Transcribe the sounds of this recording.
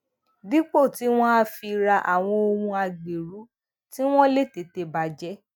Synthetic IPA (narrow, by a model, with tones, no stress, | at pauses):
di˦k͡po˦˨ti˨˦w̃ɔ̃˦a˦˧fi˧ɾa˧ʔa̰˨w̃ɔ̃˧o˧hũ˧a˧ɡ͡be˨ɾu˨˦ | ti˦w̃ɔ̃˦le˦˨te˨˦te˧ba˧d͡ʒɛ˦